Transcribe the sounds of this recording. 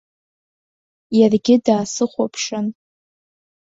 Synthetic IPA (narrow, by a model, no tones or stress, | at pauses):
jarɡʲɪdaːsɨχʷapʰʂɨn